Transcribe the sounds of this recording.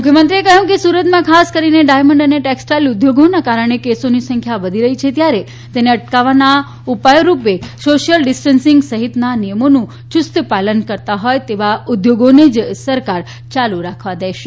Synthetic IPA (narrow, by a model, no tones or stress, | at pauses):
mʊkʰjəmənt̪ɾiekəɦũkesuɾət̪mãkʰaskəɾineɖajməɳɖəneʈɛksʈajlʊd̪ʱjoɡonakaɾəɳ̃ekesonisə̃ŋkʰjaʋəd̪ʱiɾəɦit͡ʃʰet̪jaɾe | t̪eneəʈkaʋana | upajɾupesoʃiəlɖɪsʈənsiŋɡsəɦit̪nanijəmonũ | t͡ʃʊst̪palənkəɾt̪aɦɔjt̪eʋaʊd̪joɡoned͡ʒsəɾkaɾ | t͡ʃaluɾakʰʋad̪eʃe